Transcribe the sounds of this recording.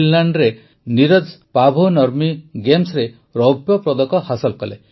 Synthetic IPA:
lːaɳɖɾe | niɾɔd͡ʒpabʱonɔɾmiɡemsɾe | ɾɔbjɔpɾɔd̪ɔkɔhasɔlkɔle

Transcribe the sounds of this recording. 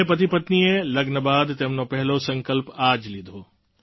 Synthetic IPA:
epɐt̪ipɐt̪niẽlɐɡnəbaːd̪t̪ɐmnõpɛɦlosɐ̃ŋkəlpaːd͡ʑlid̪ʱoː

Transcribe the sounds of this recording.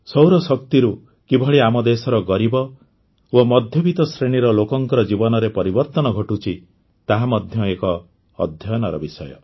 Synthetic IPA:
sɔwɾɔsɔkt̪iɾu | kibʱɔɭiamɔd̪esɔɾɔɡɔɾibɔ | omɔd̪ʱjɔbit̪ɔsɾeɽ̃iɾɔlokɔŋkɔɾɔd͡ʒibɔnɔɾepɔɾibɔɾt̪ɔnɔɡʱɔʈut͡ʃʰi | t̪aɦamɔd̪ʱjɔekɔː | d̪ʱjɔjɔnɔɾɔbisɔjɔ̰

